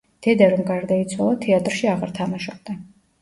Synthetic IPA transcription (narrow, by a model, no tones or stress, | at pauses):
d̪̥ɛd̪ɛɾɔmɡaɾd̪ait̪sʰwalˠat̪ʰɛat̪ʼɾʃiaʁaɾt̪ʰamaʃɔb̚d̪a